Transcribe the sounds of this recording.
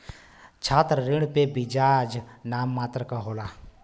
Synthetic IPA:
t͡ʃʰaːt̪ɾəɾɪɽ̃pebid͡ʒaːd͡ʒnaːmːaːt̪ɾəkaɦoːlaː

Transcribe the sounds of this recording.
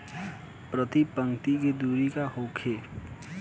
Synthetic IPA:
pɾət̪ipə̃ŋkt̪iked̪uɾikahokʰhe

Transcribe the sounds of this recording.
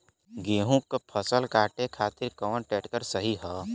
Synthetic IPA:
ɡeːɦũkːpʰəsəlkaːʈekʰaːt̪ɪɾkəʋə̃nʈɛːʈkəɾsəɦiɦɛː

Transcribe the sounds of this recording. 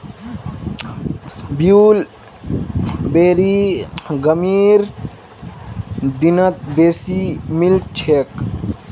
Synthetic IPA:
bjuːl | beːɾiɡəmiːɾ | d̪inət̪̚besimilt͡ʃʰek

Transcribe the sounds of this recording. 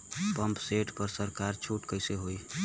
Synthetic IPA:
pəmpseʈpəɾsəɾkaɾt͡ʃʰuʈkəɪseɦoj

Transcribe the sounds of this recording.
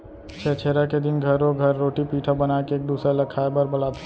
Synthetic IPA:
t͡ʃʰet͡ʃʰeːɾaked̪ɪnɡʱəɾoɡʱəɾːoːʈipiːʈʰabənaekeeːk̚d̪uːsɾaləkʰaebəɾbəlat̪ʰ

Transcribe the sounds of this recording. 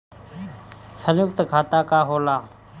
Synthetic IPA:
sənjʊk̚t̪kʰaːt̪aːkaːɦoːlaː

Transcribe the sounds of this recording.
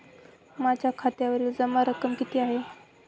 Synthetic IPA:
mad͡ʑjakʰat̪jaʋəɾiːld͡zəmaɾəkəmkit̪ʰiːaɦe

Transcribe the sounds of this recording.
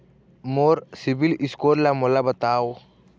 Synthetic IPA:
moːɾsibiliskoːɾlamolabət̪aːo

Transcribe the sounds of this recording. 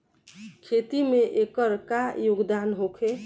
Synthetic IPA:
kʰet̪imeʔekəɾkajoɡd̪anɦokʰe

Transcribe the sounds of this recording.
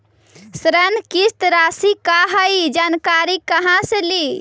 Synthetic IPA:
sɾənkist̪ɾasikaɦəjd͡ʒankaɾikəɦãseli

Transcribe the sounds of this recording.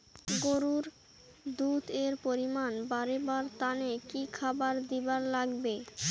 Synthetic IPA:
ɡoɾuɾ | d̪ut̪eɾpoɾimanbaɾebaɾt̪anekikʰabaɾd̪ibaɾlaɡbe

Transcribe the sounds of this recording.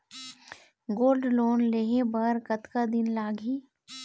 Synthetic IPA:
ɡoːlɖloːnleːɦebəɾkət̪kad̪ɪnlaːɡɦiː

